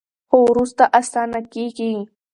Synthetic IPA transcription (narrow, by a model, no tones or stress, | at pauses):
owɾʊst̪aʔasaːnakiːki